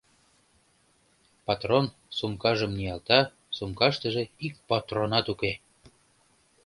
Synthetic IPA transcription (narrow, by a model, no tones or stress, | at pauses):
pɑt̪ron | sumkɑʒəmnijɑlt̪ɑ | sumkɑʃt̪əʒĕik̚pot̪ronɑt̪uke